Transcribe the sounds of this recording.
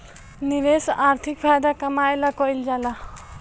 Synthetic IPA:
niɾesaɾt̪ʰikpʰajd̪akəmajlakɔild͡ʒala

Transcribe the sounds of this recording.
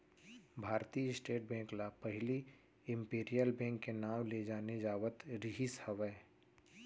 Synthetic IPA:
bʱaːɾt̪isʈeːʈ̚bɛ̃ːŋklapəɦɪli | ɪ̃mpeːɾijəlbɛ̃ːŋkːenaːwled͡ʒaːned͡ʒaːʋət̪ɾɪɦishəʋə

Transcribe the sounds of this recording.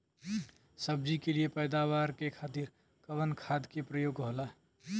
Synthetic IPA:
səbd͡ʒikeliepəjd̪awaːɾkekʰaːt̪iɾ | kəʋənkʰaːd̪kepɾəjoːɡɦoːla

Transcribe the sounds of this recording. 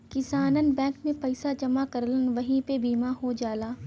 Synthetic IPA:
kɪsaːnənbɛ̃ːŋkmẽpɐɪsad͡ʒɐmakɐɾlənʋɐɦĩpebiːmaɦod͡ʒaːlaː

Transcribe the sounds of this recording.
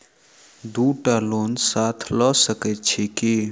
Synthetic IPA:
d̪uʈalonsat̪ʰləsəkət̪t͡ʃʰeke

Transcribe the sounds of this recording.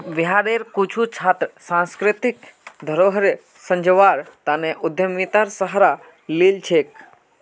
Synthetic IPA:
ʋjɦaːɽeɾkut͡ʃʰut͡ʃʰaːt̪ɾəsãnskɾɪt̪ɪkd̪ʱəɾoːɦəɾ | sə̃ɲd͡ʒəʋaɾt̪aːneʔʊd̪ʱjəmit̪aɾsəɦɾa | liːlt͡ʃʰeːk

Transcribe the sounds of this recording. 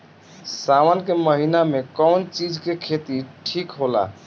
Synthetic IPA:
sawənkeməɦinamekɔwnt͡ʃid͡ʒkekʰet̪iʈʰikɦola̰

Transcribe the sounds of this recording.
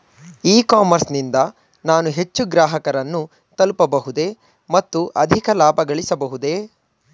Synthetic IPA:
iːkaːmɐɾsnind̪ɐ | naːnuɦe̞t͡ʃːuɡɾaːɦɐkɐɾɐnːu | t̪ɐlpɐbɐɦud̪e̞ | mɐt̪ːuʔɐd̪ʱikɐlaːbʱɐɡɐɭisɐbɐɦud̪e̞

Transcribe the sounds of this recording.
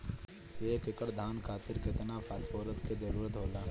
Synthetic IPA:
eːkɪkəɽd̪ʱaːnkʰaːt̪ɪɾkɪt̪napʰaːspoːɾəsked͡ʒɐɾuːɾət̪ɦoːlaː

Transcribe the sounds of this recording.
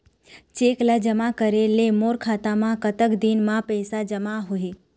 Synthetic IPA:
t͡ʃeklad͡ʒəmakəɾelemoɾkʰaːt̪amãkət̪əkd̪inmãpɛːsad͡ʒəmaɦoe

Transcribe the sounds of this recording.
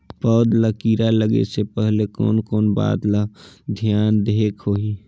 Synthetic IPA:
pɔːd̪lakiːɾaləɡḛsepəɦlekɔ̰ːnkɔːnba̰ːd̪lad̪ʱijaːnd̪eːkhoːi

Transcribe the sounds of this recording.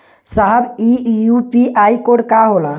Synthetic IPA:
saɦəbijupiaikoɽkaɦola

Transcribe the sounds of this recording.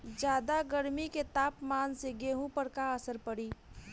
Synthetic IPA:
d͡ʒjaːd̪aɡəɾmiket̪aːpmaːnseɡeːɦũpəɾkaəsəɾpəɽiː

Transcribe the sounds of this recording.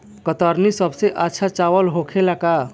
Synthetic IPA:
kət̪əɾnisəbʱseʔatːʃʰat͡ʃawəlɦokʰelaka

